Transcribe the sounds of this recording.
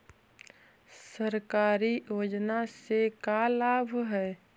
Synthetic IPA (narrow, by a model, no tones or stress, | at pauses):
səɾkaːɾijoːd͡ʒnasekalaːbʱɦɛː